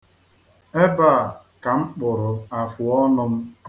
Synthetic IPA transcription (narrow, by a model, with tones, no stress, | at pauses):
e˦ba˦˨ | ka˨ŋ͡m̩˦k͡pʊ˨ɾʊ˨a˨fʊ˨ɔ˦nʊ˦m̩˦